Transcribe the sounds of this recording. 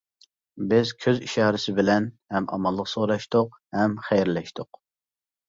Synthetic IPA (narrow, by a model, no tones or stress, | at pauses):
bɪzkʲʰøziʃɑːɾɪsɪbɪlɛnhɛmɑ̰mɑlˠːəqsoɾɑʃt̪ʊq | hɛmχɛjɾlɛʃt̪ʰʊq